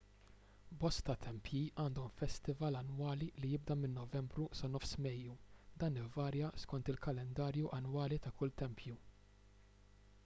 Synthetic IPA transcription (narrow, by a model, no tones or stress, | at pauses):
bɔst̪ɐt̪ʰɛmpjiːʔɐːnd̪ɔmfɛst̪ɪvɐlɐnwɐːlilijɪb̚d̪ɐmɪnːɔvɛmbɾusɐnɔfsmɛjːud̪ɐːnɪvːɐːɾjɐskɔnt̪ɪlkɐlɛnd̪ɐːɾjuʔɐnwɐːlit̪ɐkʊlt̪ɛmpʰju